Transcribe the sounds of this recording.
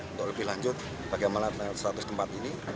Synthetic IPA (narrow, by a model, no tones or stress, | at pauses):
unt̪ʊk̚ləbɪhlaɲd͡ʒʊt̪̚ | b̥aɡajmanasəɾat̪ʊst̪əmpat̪ini